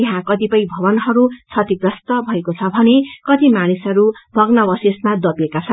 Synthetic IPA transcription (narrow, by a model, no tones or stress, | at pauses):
ɦãkʌt̪ipʌĩbʱʌβʌnɦʌɾut͡sʰʌt̪iɡɾʌst̪ʌbʱʌekot͡sʰʌbʱʌnekʌt̪imanisʌɾubʱʌɡnʌbʌsismad̪ʌbjekat͡sʰʌn